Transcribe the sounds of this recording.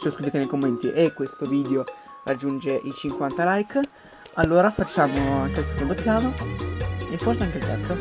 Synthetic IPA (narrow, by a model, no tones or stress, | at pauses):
t͡ʃeoskɾiveːt̪enejkomːent̪iʔekːwest̪oviːd̪eo | rʔad͡ʒːund͡ʒeʔit͡ʃiŋkwant̪alajk | alːoːɾafat͡ʃːaːmoaŋkelse̥kond̪opjaːvo | efːorseaŋkelt̪ɛrt̪so